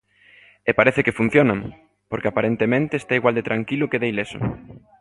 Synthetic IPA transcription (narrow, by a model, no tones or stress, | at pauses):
epaɾeθekefun̟θjonãŋ | poɾkeapaɾent̪emẽnt̪eest̪aiɣwald̪et̪ɾaŋkilʊkeðejlesʊ̰